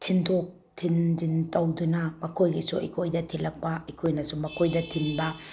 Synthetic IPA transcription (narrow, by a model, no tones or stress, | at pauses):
tʰintʰok̚ | tʰind͡ʒintɐwdunɐmɐkʰojɡisuɐ̰kʰojdɐtʰilɐk̚pɐikʰojnɐsumɐkʰojdɐtʰinbɐ